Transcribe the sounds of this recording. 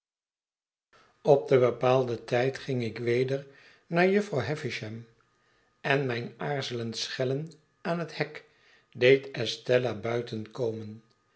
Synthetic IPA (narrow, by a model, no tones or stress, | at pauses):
ɔp̚dəbəpaːlˠdətɛjtχɪŋɪkʋejdəɹ | naːɹjɵfrɑwɦɛfɪʃɛm | ɛnmɛjnaːɹzələntsχɛlən | aːnɦəthɛk | dejtɛstɛlabœɥtənkowmən